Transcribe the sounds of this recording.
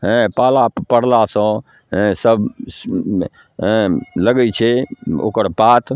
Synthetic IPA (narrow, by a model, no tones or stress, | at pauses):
ɦɛ̃palapəɽ̤lasə̃ | ɦɛ̃səb | ɦɛ̃ləɡɛt͡ʃʰɛo̰kəɾpat̪ʰ